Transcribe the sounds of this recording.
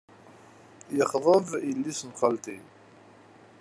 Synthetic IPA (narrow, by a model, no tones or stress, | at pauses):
jəχðˤəvilːisnχɑlt̪i